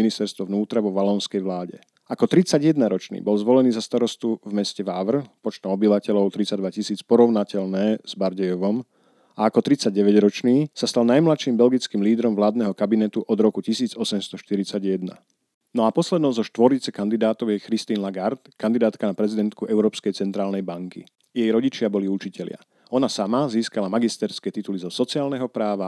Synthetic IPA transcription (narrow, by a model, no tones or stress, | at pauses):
inist̪ɛɾst̪ʋɔvnuːt̪ɾaʋɔʋalɔnskɛjʋlaːɟɛ̰ | akɔt̪ɾit͡saɟjɛd̪naɾɔt͡ʃnḭːbɔlzʋɔlɛniːzast̪aɾɔst̪uvmɛscɛʋaːʋr̩pɔt͡ʃt̪ɔmɔbiʋacɛlɔʊt̪ɾit͡saɟd̪ʋacisiːt͡spɔɾɔʊnacɛlnɛːz̥baɾɟɛjɔʋɔm | aːkɔt̪ɾit͡saɟ̚ːɛʋɛɟɾɔt͡ʃniːsast̪alnajmlatʃimbɛlɡit͡skiːmliːd̪ɾɔmʋlaːd̪nɛɦɔkabinɛt̪uʔɔd̪ɾɔkucisiːd͡zɔsɛmst̪ɔʃt̪iɾit͡saɟjɛd̪na̰ | nɔapɔslɛd̪nɔʊzɔʃt̪ʋɔɾit͡sɛkand̪id̪aːt̪ɔʊjɛxɾist̪iːnlaɡaɾt̪kand̪id̪aːt̪kanapɾɛzid̪ɛnt̪kuʔɛʊɾɔːpskɛjt͡sɛnt̪ɾaːlnɛjbaŋkḭ | jɛjɾɔɟit͡ʃɪabɔliut͡ʃicɛlɪa̰ | ɔnasamaziːskalamaɡist̪ɛɾskɛːt̪it̪ulizɔsɔt͡siaːlnɛɦɔpɾaːʋa